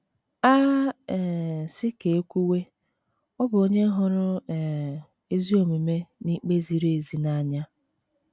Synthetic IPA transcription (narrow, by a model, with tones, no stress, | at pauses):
a˦˨ | sɪ˦ke˨e˦kʷu˦we˦ | ɔ˦bʊ˨o˦ɲe˦ɦʊ˨ɾʊ˦˨ | e˦zi˦o˨me˨me˦ni˦k͡pe˦zi˨ɾe˨zi˨na˦ɲa˦